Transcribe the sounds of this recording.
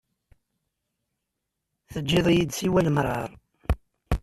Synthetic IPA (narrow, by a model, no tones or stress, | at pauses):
θəd͡ʒːiðˤjid̪siwæləmɾˤɑ̰ɾˤ